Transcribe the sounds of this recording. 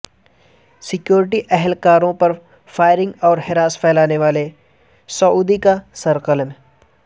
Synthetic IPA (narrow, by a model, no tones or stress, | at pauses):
sɪkjoːɾɪʈiʔɛɦɛlkaːɾõpɐɾ | faːɪɾɪ̃ŋɡɔːɾɦɪɾaːspʰɛːlaːneʋaːle | sɐuːd̪ikasɐɾqəlm